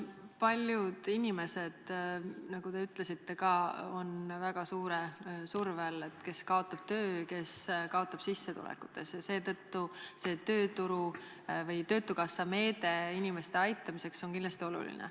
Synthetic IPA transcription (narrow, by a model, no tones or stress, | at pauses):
pɑlʲjud̪̥inime̞se̞d̪̥nɑɡut̪e̞yt̪ːˑle̞sit̪ːe̞kɑːo̞nvæɡ̥ɑsuːɾesurvele̞t̪ke̞skɑo̞t̪ːˑɑb̥̚t̪ø̞ːjke̞skɑo̞t̪ːˑɑb̥sisːe̞t̪ṵlḛkːu̥t̪ːˑe̞sjɑse̞ːt̪ɤt̪ːuse̞ːt̪ø̞ːt̪uɾu | vɤjt̪ø̞ːt̪ːukɑsːɑme̞ːd̪e̞inime̞st̪eɑjt̪ːˑɑmise̞kso̞nkind̪lɑst̪io̞lṵlḭnḛ